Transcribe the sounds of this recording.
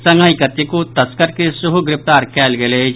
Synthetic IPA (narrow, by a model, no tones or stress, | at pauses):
sɐ̃ŋaikət̪ːikot̪ɐskəɾkesʊɦuɡɾɪpt̪aːɾkɛːlɡeleː